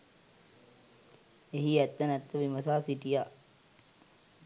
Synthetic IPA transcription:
eɦiæt̪ːənæt̪ːəʋiməsaːsiʈija

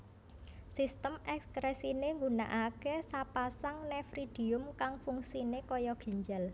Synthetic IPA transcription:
sist̪əmɛkskɾɛsineŋɡuna̰ʔakesapasaŋnɛfɾid̪̥i̤ʊmkaŋfuŋsinekɔjɔɡ̥i̤ɲd͡ʒal

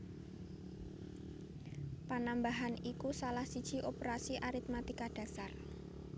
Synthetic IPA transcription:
panambaɦanikusalahsid̥ʒ̥i̤ʔopeɾasiʔaɾit̪̚mat̪ikaɖ̥a̤sar

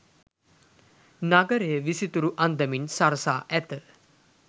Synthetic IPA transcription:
naɡəɾejəʋisit̪uɾuʔand̪əminsaɾəsaːʔæt̪ə

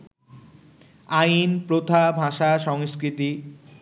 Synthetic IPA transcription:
ajnpɾot̪ʰabʱaʃaʃɔŋskɾit̪i

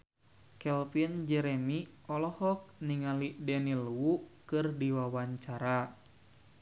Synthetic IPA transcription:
kɛlpind͡ʒɛɾɛmiɔlɔhɔk̚niŋalidɛnilwukɨrdiwawaɲt͡ʃaɾa

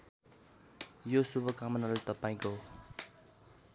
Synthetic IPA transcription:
josubʱʌkamʌnalat̪ʌpaĩko

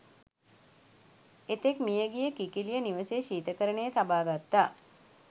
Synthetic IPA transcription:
et̪ekmijəɡijəkikilijəniʋəsejːʃiːt̪əkəɾənejət̪abaːɡat̪ːaː

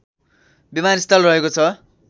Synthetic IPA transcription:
bimanist̪ʰʌlrʌɦekot͡sʰʌ

